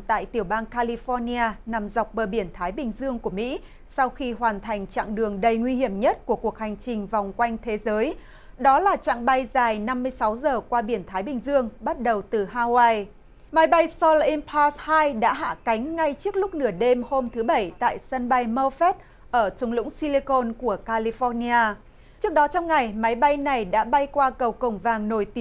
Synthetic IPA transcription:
t̪a̰ː˧˨jt̪i˧˩əwɓaː˧nkaː˧li˧fɔ˧ni˧aː˧na˨˩mza˨˩wk͡p̚ɓəː˨˩ɓi˧˩ənt̪ʰaː˨˦jɓï˨˩ŋ̟zɨ˧əŋku˧˩əmḭ˧˥ | sa˧wxi˧ɦwaː˨˩nt̪ʰa˨˩jŋ̟t͡ɕa̰ː˧˨ŋɗɨ˨˩əŋɗə˨˩jŋwi˧hi˧˩əmɲə˦˥t̚ku˧˩əku˨˩ək̚ha˨˩jŋ̟t͡ɕï˨˩ŋ̟va˨˩wŋ͡mkwa˧jŋ̟t̪ʰe˨˦zəː˨˦j | ɗɔ˨˦laː˨˩t͡ɕa̰ː˧˨ŋɓa˧jzaː˨˩jna˧mːɨ˧əjsa˨˦wzəː˨˩kwaː˧ɓi˧˩ənt̪ʰaː˨˦jɓï˨˩ŋ̟zɨ˧əŋɓa˦˥t̚ɗə˨˩wt̪ɨ˨˩haː˧waː˧j | ma˨˦jɓa˧jsɔ˧lʔɛ˧mpʰaː˧shaː˧jɗa̰ː˧˥ɦa̰ː˧˥ka˨˦ŋ̟ŋa˧jt͡ɕɨ˦˥ək̚lʊ˦˥k͡p̚nɨ˧˩əɗe˧mho˧mt̪ʰɨ˨˦ɓə˧˩jt̪a̰ː˧˨jsə˧nɓa˧jmə˧fɛ˦˥t̚ | ʔəː˧˩t͡ɕʊ˨˦ŋ͡mlʊ̰˧˥ŋsi˧li˧ko˧nku˧˩əkaː˧li˧fɔ˧ni˧aː˧ | t͡ɕɨ˦˥ək̚ɗɔ˨˦t͡ɕɔ˧wŋ͡mŋa˨˩jma˨˦jɓa˧jna˨˩jɗa̰ː˧˥ɓa˧jkwaː˧kə˨˩wkə˨˧˩ŋ͡mvaː˨˩ŋno˧˩jt̪i˨˦

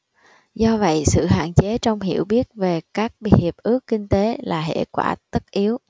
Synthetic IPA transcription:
zɔ˧və̰˧˨jsɨ̰˧˨ɦa̰ː˧˨nt͡ɕe˨˦t͡ɕɔ˧wŋ͡mɦḭ˧˩˨əwɓi˦˥ət̚ve˨˩kaː˦˥k̚ɓhi˨˩əp̚ʔɨ˦˥əkːï˧ŋ̟t̪e˨˦laː˨˩ɦḛ˧˩kwaː˧˩t̪ə˦˥t̚ʔi˨˦əw

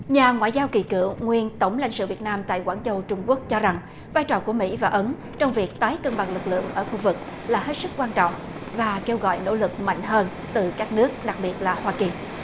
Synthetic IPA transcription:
ɲaː˨˩ŋwa̰ː˧˨jzaː˧wki˧˨˩kɨ̰˧˩əwŋwi˧ənt̪ə˧˩wŋ͡mla̰˧˨ŋsɨ̰˧˨vi˨˩ət̚naː˧mt̪a̰ː˧˨jkwaː˧˩nt͡ɕə˧wt͡ɕʊ˧ŋ͡mku˦˥ək̚t͡ɕɔ˧za˨˩ŋ | vaː˧jt͡ɕɔː˨˩ku˧˩əmḭ˧˥vaː˨˩ʔə˨˦n | t͡ɕɔ˧wŋ͡mvi˨˩ək̚t̪aː˨˦jkə˧nɓa˨˩ŋlɨ˨˩k̚lɨ̰˧˨əŋʔəː˧˩xu˧vɨ˨˩k̚ | laː˨˩ɦe˦˥t̚sɨ˦˥k̚kːwaː˧nt͡ɕɔ̰˧˨wŋ͡m | vaː˨˩ke˧wɣɔ̰˧˨jno̰˧˥lɨ˨˩k̚ma̰˧˨jŋ̟ɦəː˧n | t̪ɨ˨˩kaː˦˥k̚nɨ˦˥ək̚ɗa˨˩k̚ɓi˨˩ət̚laː˨˩hwaː˧ki˨˩

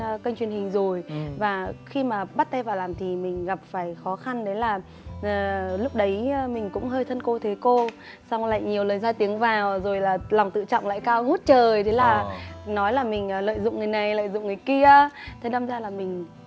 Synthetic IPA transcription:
kə˧ŋ̟t͡ɕwi˨˩ənhï˨˩ŋ̟zo˨˩jvaː˨˩xi˧maː˨˩ɓaː˦˥t̚t̪a˧jvaː˨˩wlaː˨˩mt̪ʰi˨˩mï˨˩ŋ̟ɣa˨˩p̚faː˧˩jxɔ˨˦xa˧nɗe˨˦laː˨˩ | ʔəː˨˩lʊ˦˥k͡p̚ɗə˨˦jmï˨˩ŋ̟kʊ̰˧˥ŋ͡mɦəː˧jt̪ʰə˧nko˧t̪ʰe˨˦ko˧ | sa˧wŋ͡mla̰˧˨ŋɲi˨˩əwləː˨˩nzaː˧jt̪i˨˦əŋvaː˨˩wzo˨˩jlaː˨˩lɔ˨˩wŋ͡mt̪ɨ̰˧˨t͡ɕɔ̰˧˨wŋ͡mla̰ː˧˨jkaː˧wŋu˦˥t̚t͡ɕəː˨˩jt̪ʰe˨˦laː˨˩nɔ˨˦jlaː˨˩mï˨˩ŋ̟ː˨˩lə̰ː˧˨jzʊ̰˧˨ŋ͡mŋɨ˨˩əjna˨˩jlə̰ː˧˨jzʊ̰˧˨ŋ͡mŋɨ˨˩əjki˧ət̪ʰə˨˦ɗa˧mzaː˧laː˨˩mï˨˩ŋ̟

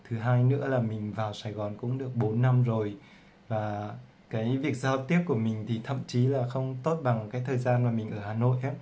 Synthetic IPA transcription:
t̪ʰɨ˨˦ɦaː˧jnɨ̰˧˥əlaː˨˩mï˨˩ŋ̟vaː˨˩wsaː˨˧˩jɣɔ˨˩nkʊ̰˧˥ŋ͡mɗɨ˨˩ək̚ɓo˨˦nːa˧mzo˨˩j | vaː˨˩ | kaː˨˦jvi˨˩ək̚zaː˧wt̪i˦˥əp̚ku˧˩əmï˨˩ŋ̟t̪ʰi˨˩t̪ʰə̰˧˨mt͡ɕi˨˦laː˨˩xə˧wŋ͡mt̪o˦˥t̚ɓa˨˩ŋkaː˨˦jt̪ʰəː˨˩jzaː˧nmaː˨˩mï˨˩ŋ̟ʔəː˧˩haː˨˩no̰˧˨jʔaː˨˦

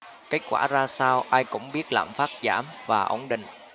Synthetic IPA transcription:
ke˦˥t̚kwaː˧˩zaː˧saː˧wʔaː˧jkʊ̰˧˥ŋ͡mɓi˦˥ət̚la̰ː˧˨˩mfaː˦˥t̚zaː˧˩mvaː˨˩ʔə̰˧˩wŋ͡mɗḭ̈˧˨ŋ̟

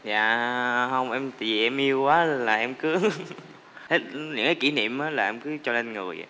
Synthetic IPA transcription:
za̰ː˧˨hə˧wŋ͡mʔɛ˧mt̪a̰ː˧˨˩vi˨˩ʔɛ˧mʔi˧əwkwaː˨˦laː˨˩ʔɛ˧mkɨ˨˦ | t̪ʰe˦˥t̚ɲɨ̰˧˥ŋkaː˨˦ki˧˩˦nḭ˧˨əmʔəː˨˦laː˨˩ʔɛ˧mkɨ˨˦t͡ɕɔ˧le˧nŋɨ˨˩əj̰

